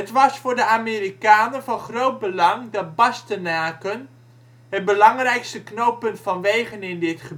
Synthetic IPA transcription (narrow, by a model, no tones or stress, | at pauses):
ətʋɑsfʊːrdəaːmiːrikaːnənvɑnχrowt̚bəlɑŋdɑt̚bɑstənaːkən | ɦət̚bəlɑŋrɛjkstəknowpɵntfɔnʋejχənɪndɪtχəb